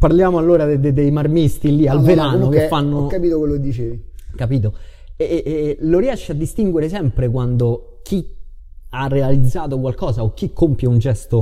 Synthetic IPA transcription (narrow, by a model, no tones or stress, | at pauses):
parljaːmoalːoːɾad̪ed̪ed̪ejmarmist̪ilialveɾaːnokeffːanːokːapiːt̪okwelːoked̪ːit͡ʃeːvikapiːt̪̬o | loɾiɛʃːead̪ːist̪iŋɡweɾesɛmpɾekwand̪o | k̟ʰi | arːealid̪zːaːt̪okwalkɔːsaok̟ːikʰːompjaund͡ʒɛst̪o